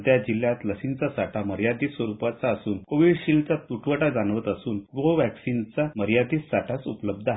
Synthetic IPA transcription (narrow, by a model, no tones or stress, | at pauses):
d̪jad͡ʑiljat̪ləsint͡sasaʈʰaməɾjad̪isʋəɾupat͡saəsuːnkoʋiɖɕilt͡sat̪uʈʰʋəʈad͡zanʋət̪əsuːnɡoʋæksint͡saməɾjad̪iːsaʈʰasupləb̚d̪ʱa